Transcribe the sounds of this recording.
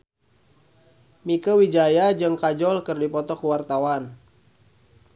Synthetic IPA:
mikəwid͡ʒajad͡ʒɨŋkad͡ʒɔlkɨrdipɔt̪ɔkəwart̪awan

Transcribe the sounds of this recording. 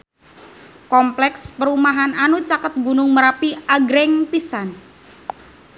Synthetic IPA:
kɔmplɛkspəɾumaɦananut͡ʃakət̪̚ɡunʊŋməɾapiaɡɾɛŋpisan

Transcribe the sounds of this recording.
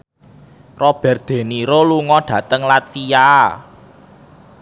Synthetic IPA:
rɔb̥ɛ̤r̚d̪̥e̤niɾoluŋɔɖ̥ä̤t̪əŋlat̪̚fija

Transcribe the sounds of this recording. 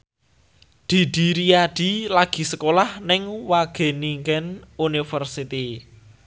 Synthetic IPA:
d̪̥i̤d̪̥i̤ɾiaɖ̪̥i̤laɡ̥i̤səkolahnɪŋwaɡ̥e̤niŋkɛnunifərsit̪i

